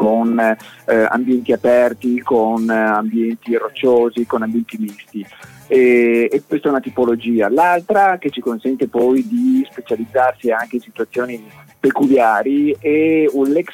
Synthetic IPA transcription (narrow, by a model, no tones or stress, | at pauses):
kon | a̰mbjɛnt̪iapɛrt̪ikonambjɛnt̪irot͡ʃːoːzikonambjɛnt̪imist̪i | ɛɛkwest̪aɛunat̪ipolod͡ʒiːalalt̪ɾak̟et͡ʃikonsɛnt̪epɔjd̪ispet͡ʃalid̪zːarsiaŋkeinsit̪uat̪sːjoːnipekuljaːɾiɛunlɛks